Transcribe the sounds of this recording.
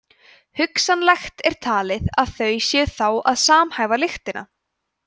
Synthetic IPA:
hʏksanlɛxt̪ɛɾ̥t̪ʰaːlɪðaðθœɥjsjɛθawaðsaːmhajvalɪxt̪ɪna̰

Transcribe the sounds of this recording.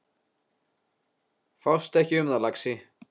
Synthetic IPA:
fawst̪ɛhcɪʏmðalaksɪ

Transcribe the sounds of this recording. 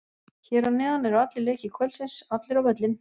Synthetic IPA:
çɛːɾanɛːðanɛɾawat̪lɪleːjcɪkʰvœlsɛnsat̪lɪɾawœt̪lɪn

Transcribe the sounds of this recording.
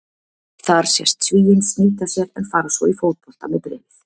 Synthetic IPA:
θaɾ̥sjɛ̰st̪sviːjɪnsniːt̪asjɛɾɛnfaːɾasvɔifoːwt̪̚pɔl̥t̪amɛðpɾɛ̰ːvɪθ

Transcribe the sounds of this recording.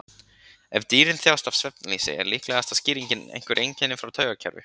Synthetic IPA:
ɛvt̪iːɾɪnθjaːwst̪afsvɛpnalisɪ̰ɛ̰ɾlihklɛːɣast̪asciːɾiɲcɪnḛjŋ̥kvʏɾʔejɲcɛnːɪfɾawt̪ʰœːɥɣacʰɛ̰ɾvɪ̰

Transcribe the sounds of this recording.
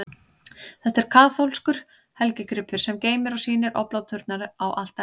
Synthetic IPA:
θɛht̪ːɛɾ̥kʰaːθowlskʏɾ̥ | hɛlcɪkɾɪpʰːʏɾ̥sɛmceːjmɪɾɔsiːnɪɾʔɔ̰plawt̪ʰʏɾt̪naɾʏawʔal̥t̪a

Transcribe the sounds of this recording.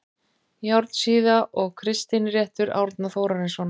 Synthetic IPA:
jawɾt̪siːðaʔɔɣkʰɾɪst̪ɪnrjɛht̪ʏɾa̰wɾt̪naθowɾaɾɪnsvɔːn

